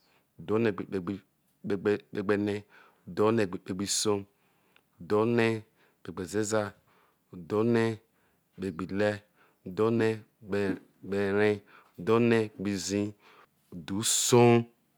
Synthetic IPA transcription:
u˨do˨˦ne˨k͡pe˨ɡ͡bi˨˦ | e˨ɡ͡be˨ne˦ | u˨do˦ne˨ɡ͡bi˨k͡pe˨ɡ͡bi˦so˦ | u˨do˦ne˦ | k͡pe˨ɡ͡be˨ze˦za˦ | u˨do˨˦ne˦ | be˨ɡ͡bi˨le˦ | u˨do˦ne˦˨ | ɡ͡be˨ɾẽ˦u˨do˦ne˦˨ɡ͡bi˨zĩ˦ | u˨du˨˦so˦

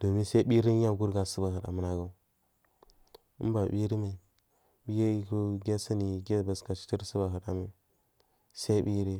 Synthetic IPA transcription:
d̥o˨mi˦sa˦i˦ɓi˦ɾi˦ɲa˦ɡu˦ɾɡa˨su˦ba˨hə˨da̰˨mə˦na˦ɡa˨u˨ | ḭ˦ba˨bi˦ɾi˦ma˨i˨ | ɓi˦je˦˨ku˦ɡe˦sa˦ni˨ɡe˦˨ba˨ska˨t͡ʃi̥˦ti˦ɾsu˦ba˨ɦə˨ɗa˨mi˦ | sa˦i˦bi˦ɾi˦

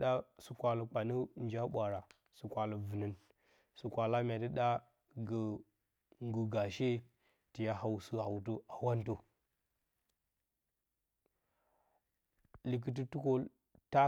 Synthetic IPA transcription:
ɗa˦su˨kʷa˨lə˨k͡pa˨nə˦nd͡ʒa˦ɓʷa˨ɾa˨ | su˨kʷa˨lə˨və˨nə˦n | su˨kʷa˨la˦m˨a˨tə˦ɗa˦ | ɡə˨ | ŋɡu˨ɡa˨ʃe˦ | ti˨ja˦ɦa˨wsə˦ha˨wt̬ə˦a˨wa˦n˦to˦ | li˨k̬ə˨t̬i˦tu˦ko˦ | ta˦

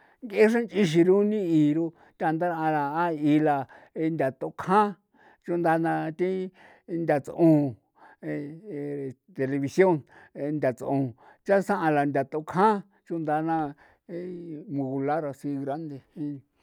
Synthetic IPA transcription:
ŋke˦ʂ̬ã˦nt͡ʃi˧ʃ̬i˧ɾũ˦nĩ˦iː˨ɾo˧ | t̪ʲa˦˧nd̪a˦ɾã˧la˨a˦i˧la˧ | e˧nd̪ʲa˨t̪o˧˦kʰã˦ | t͡ʃu˧nd̪a˧nã˧t̪ĩ˦˧ | nd̪ʲa˧t͡sʔõ˧ | e˧˨ | t̪e˧le˧βi˧sjo˦n˧nd̪ʲa˨t͡sʔõ˨ | t͡ʃa˦sã˦ʔã˧la˨nd̪ʲa˨t̪o˧˦kʰã˦ | t͡ʃũ˦nd̪a˧nã˧ | mũ˧ɣu˧la˦ɾa˧si˧ɣɾa˦nd̪e˧hĩ˦

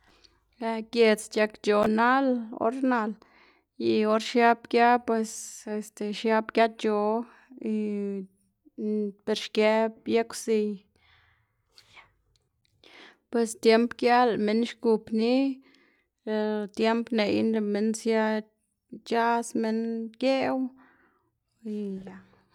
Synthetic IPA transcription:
a˧kʲe˧t͡st͡ʃa˧kt͡ʃo˨na˦lo̰˧˦ɾna˧l | ji˧o˧ɾʃja˦bkja˦pwe˧se˧st̪e˨ʃja˧pkja˦t͡ʃo˧ | i˧ | pe˧ɾʃke˧˦bja˦ksi˧ | pwe˨st̪je˦mpkja˦lme˦nʃku˧pni˦˧ | t̪je˦mpne˨jnɾe˧me˧˦nsja˦ | t͡ʃa˦sme˦nkje˦w | i˧ja˨

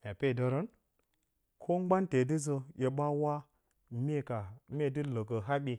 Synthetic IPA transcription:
mʲ˨a˨pe˦˨də˨ɾə˦n | kʰo˦ŋ͡mɡ͡ba˦nte˨dɨ˦zə˨je˨ɓa˦wa˦ | me˦ka˨mʲ˦e˦dɨ˦lə˨kə˨ɦa˦ɓi˨

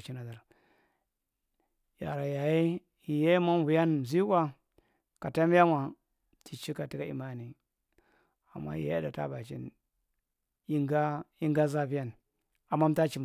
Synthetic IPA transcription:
t͡ʃi˦na˨da˨ɾ | ja̰˨ɾa˨ja˨ji˦ | i˨ja˦ma˦m˦vu˨ja˦n˨zi˦kʷa˦ | ka˨ta˦m˦ja˦ma˨ | tʰi˨t͡ʃi˦ka˨ti˦ka˦i˨ma˦ni˨ | a˨mːa̰˦jḭ˨ja̰˦da˨ta̰˦ba˨t͡ʃḭ˦n | i˦ɡa˦i˦ŋɡa˦za˦fi˦ja˦n | a˨mːa˦m˦ta˦t͡ʃi˨m

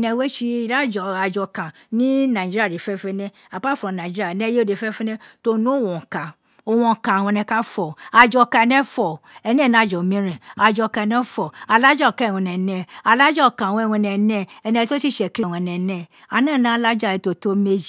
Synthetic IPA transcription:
nɛ̃˧we˦ʃi˧i˧ɾa˦˨d͡ʒɔ˨a˧d͡ʒɔ˧kã˨ | nĩ˦nã˨d͡ʒi˦ɾi˦a˦˨ɾi˨fɛ˧fɛ˧nɛ̃˧ | a˨ba˦˨fɔ˨nã˨d͡ʒi˦i˦a˦˨nɛ̃˧˦je˦de˧˨fɛ˦fũ˦nɛ̃˦to˧nũ˨˦o˦˨wɔ̃˨kã˨ | o˧˨w̃ɔ̃˧˨kã˨w̃ɔ̃˧nɛ̃˧ka˦fɔ˨a˧d͡ʒɔ˧˨kã˧ɛ˧nɛ̃˦fɔ˨ɛ˧nɛ̃˦˨nã˨˦˨d͡ʒɔ˨mĩ˦ɾɛ̃˨a˧d͡ʒɔ˧kã˧ɛ˧nɛ̃˦fɔ˨a˧˨la˦d͡ʒɔ˦˨kã˧˨w̃ɔ̃˧nɛ˨nɛ̃˧a˧˨la˦d͡ʒɔ˦˨kã˨wɔ̃˧ɛ˧˨w̃ɔ̃˧nɛ˨nɛ̃˧˦ɛ˧nɛ̃˧to˦si˦˨ʃɛ˨kɾi˦˨w̃ɔ̃˧nɛ̃˨nɛ̃˧˨ | a˨nã˦˨nã˨˦la˦d͡ʒa˦˨ɛ˨to˧to˧˦me˧d͡ʒi˨˦

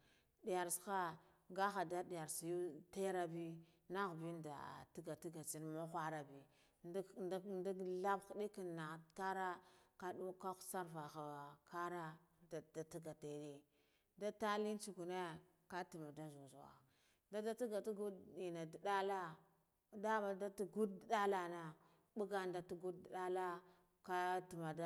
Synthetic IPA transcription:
di˨ja˨ɾsxa˦ | ɡa˦a˨da˦di˨ja˨ɾsi˨ju˦te˦ɾa˦bi˦ | na˦ɣbi˦nda̰˨ti˦ɡa˨ti˦ɡa˨t͡si˦nmo˦xʷa˦ɾa˨bi˨˦ | da˦la˦bxdi˦ki˨na˨ka˦ɾa˦ka˦du˦ka˦xsa˦ɾva˨xa˨a˨ka˦ɾa˦da˨da˨ti˦ɡa˨te˨di˦ | da˦ta˦li˦n˦t͡ʃu˨ku˨ne˦ | ka˦ti˨ma˨da˦zu˨zwa̰˨ | nda˦da˦ti˦ɡa˨ti˦ɡu˦di˨na˨di˨ɗa˦la˦ | da˦ma˨da˦tu˦ɡu˦ddda˦la˨na˨ | ɓu˦ɡa˦nda˨tu˦ɡu˦ddi˨da˦la˦ | ka˦ti˨ma˨da˦

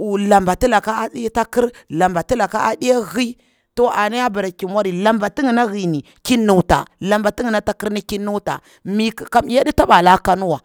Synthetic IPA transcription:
u˨la˨mba˨ti˦la˨ka˦a˦ɗi˦ta˦ki˦ɾla˨mba˨ti˦la˨ka˦ʔa˦ɗi˦ja˦ɣi˦ | to˨a˨na˦ja˦ba˨ɾa˨ki˨ma˦ɾi˨la˨mba˨ti˦ŋi˨na˦ɣi˨ni˨ | ki˦nːu˨wta̰˨la˨mba˨ti˦ŋi˨na˦ta˦ki˦ɾni˦ki˦nːu˦ta̰˨ | mi˦kka˦m˨˦ja˦di˦ta˦ba˨la˦ka˦nu˦wa˨

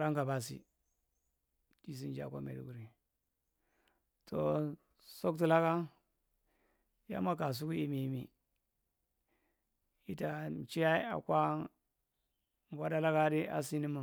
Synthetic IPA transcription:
ɾa˦ŋɡa˨ba˨s̬ḭ˨ | di˨s̬i˦nd͡ʒa̰˨kʷa̰˦mḛ˨dḭ˨ɡu˦ɾi˨ | tʰo˨ | so˦kt̬i˨la˦ka˦ | ja̰˦ma˦ka˨s̬u˦ku˦i˦mi˨mi˨ | i˦ta˨n˨t͡ʃi˦ja˦i˦a̰˨kʷa˦˨ | ɡʷa˦da˦la˦ka˦di˦a̰˦si˦ni˦mu˨

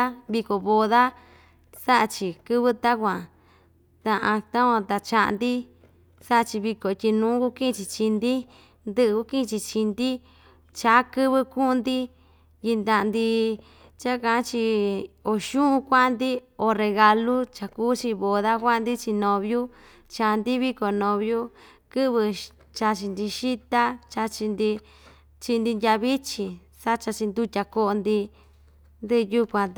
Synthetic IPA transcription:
a˦βi˧ko˨βo˧ða˦ | sa˦ʔa˧t͡ʃi˧kɨ˦βɨ˦t̪a˦kʷã˨ | t̪ã˧ʔã˧t̪ã˦kʷã˧t̪a˧t͡ʃa˧ʔa̰˧nd̪i˦ | sa˦ʔa˧t͡ʃi˧βi˧ko˨i˧t̪ʲi˧nũː˨˦ku˦kĩ˦˧t͡ʃi˧t͡ʃi˧nd̪i˦ | nd̪ɨ˦ʔɨ˧ku˧˦kĩ˦˧t͡ʃi˧t͡ʃi˧nd̪i˦ | t͡ʃa˨˦kɨ˦βɨ˦kũ˦˧nd̪i˦ | ji˧nd̪ã˧˨˧nd̪i˧ | t͡ʃa˦kã˧ʔt͡ʃi˧o˧˨ʃũ˦ʔũ˧kʷa˦nd̪i˦o˧˨re˧ɣa˧lu˦t͡ʃa˨kuː˦t͡ʃi˧βo˨ða˦kʷa˦˧nd̪i˦t͡ʃi˧nõ˧βju˦ | t͡ʃa˧nd̪i˦βi˦ko˨nõ˧βju˦ | kɨ˦βɨ˧ | t͡ʃa˧t͡ʃi˧nd̪i˧ʃi˦t̪a˦t͡ʃa˧t͡ʃi˧nd̪i˧ | t͡ʃi˧nd̪i˧ndʲa˧βi˦t͡ʃi˧ | sa˦t͡ʃa˧t͡ʃi˧nd̪u˧t̪ʲa˧ko˧˦ʔo˧nd̪i˧ | nd̪ɨ˦˧ju˧kʷã˧

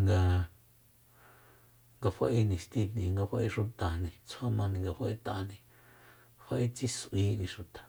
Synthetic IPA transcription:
ŋɡa˧ | ŋɡa˧fa˧ʔi˧nĩ˧˨ʃt̪i˧t̪nĩ˨˧˨ŋɡa˧fa˧ʔi˧ʂu˧t̪a˨nĩ˧t͡sʰa˦mã˧nĩ˧ŋɡa˧ɸa˧ʔi˦t̪a˧nĩ˧ | ɸa˧ʔi˦t͡si˦sʔwiː˧˦nĩ˧ʃu˧t̪ḁ˨

